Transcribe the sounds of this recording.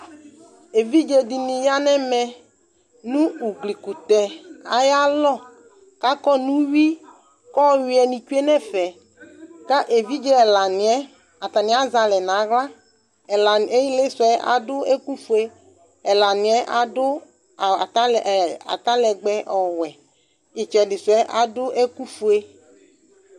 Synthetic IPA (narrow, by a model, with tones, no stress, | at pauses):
e˨vi˦d͡ʒe˨di˨nĩ˨ja˦nɛ˦mɛ˨ | nũ˦u˨ɡli˨ku˨t̪ɛ˨a˨ja˦lɔ˦˨ | ka˦kɔ˦nũ˦wi˦ | kɔ˦wi˨˦ɛ˨nĩ˨t͡ʃu˦e˦nɛ˦fɛ˨ | ka˦ʔe˨vi˦d͡ʒe˦ɛ˨la˨nĩ˨ɛ˦ | a˨t̪a˨nĩ˦a˦za˨lɛ˨nã˨˦ɣla˦˨ | a˨e˦ji˦le˦sɛ˦ʔa̰˨dʊ˦e˦ku˦fu˨e˦ | ɛ˨la˨nĩ˨˦ɛ˦ʔa˨dʊ˦˨˦ | a̰˨t̪a˦lɛ˨ɡ͡bɛ˦ʔɔ˨wɛ˨ | i˨t͡ʃɛ˨dɪ˨sɛ˦ʔa̰˦dʊ˦ʔe˦ku˦fu˦e˦